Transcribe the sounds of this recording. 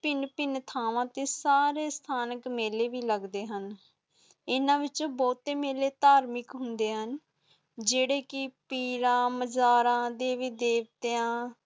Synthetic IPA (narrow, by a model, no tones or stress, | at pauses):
pɪnpɪnt̪ʰaːʋãːt̪eːsaːɾeːst̪ʰaːnəkmeːleːʋiːləɡd̪eːɦən | ɪnãːʋɪt͡ʃõːbɔːt̪eːmeːleːt̪aːɾmɪkɦʊnd̪eːɦən | d͡ʒeːɽeːkɪpiːɾãːməd͡ʒaːɾãːd̪eːʋiːd̪eːʋt̪eãː